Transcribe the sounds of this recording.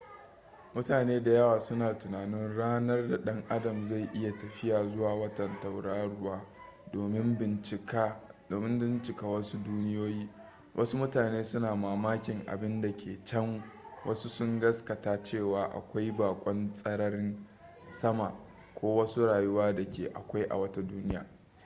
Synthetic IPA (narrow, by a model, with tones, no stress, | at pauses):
mʊ˦taː˨neː˦da˨jɐ˦waː˨sʊ˦naː˨tʊ˨naː˨nɪ˦nɽaː˦nɐ˦rda˨ɗɐ˦ŋʔa˦dɐ˨mza˦˨jʔɪ˦ja˨tɐ˨ɸɪ˦jaː˨zʊ˦waː˨wɐ˦tɐ˨nta˨wɽaː˦ɽʊ˦waː˦ | oː˨mɪ˦mɪ˨ɪ˨kːoː˨mɪ˦mbɪ˦nt͡ʃɪ˨kaː˦wɐ˦su˦duː˦nɪ˦joː˦jiː˦ | wʔɐ̰˦su˦mʊ˦taː˨neː˦sʊ˦naː˨maː˨maː˦kʲɪ˨ŋʔa̰˨bɪ˦nda˨kʲeː˨t͡ʃɐ˦ŋwʔɐ˦su˦sʊ˦ŋɡɐ˦skɐ˨taː˦t͡ʃeː˦˨waː˨ʔa̰˨kʷa˦jbaː˨kʷʼɐ˦nsʼɐ˦ɽɐ˦r | sɐ˦ma̰˨ | kʷoː˦wɐ˦su˦ɽaː˨ju˦waː˦da˨kʲeː˨ʔa̰˨kʷa˦jʔa̰˨wɐ˦ta˦duː˦nɪ˦ja̰ː˨